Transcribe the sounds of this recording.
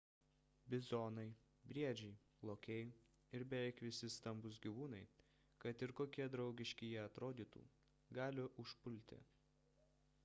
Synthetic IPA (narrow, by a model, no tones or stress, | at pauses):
bʲɪzɔːnɐɪ | bʲɾʲiɛd͡ʒʲɛɪ | lˠoːkʲɛɪ | ɪɾbʲɛʋʲɛɪkʋʲɪsʲɪst̪ɐmbʊsɡʲiʋuːnɐɪ | kɐt̪ɪɾkoːkʲiɛd̪ɾɒʊɡʲɪʃʲkʲɪjɛɐt̪ɾoːd̪ʲiːt̪ṵː | ɡɑːlʲɪʔʊʃpʊlʲt̪ʲɪ̰